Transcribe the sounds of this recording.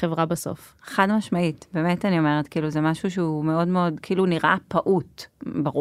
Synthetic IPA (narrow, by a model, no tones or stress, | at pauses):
χevʁabaso̰f | eχadmaʃmaitbe̞ːmetanio̞me̞ʁetkiːluzemaʃuʃeume̞o̞dmeo̞dkʰiʔiluniʁʔa̰paʔutbaʁu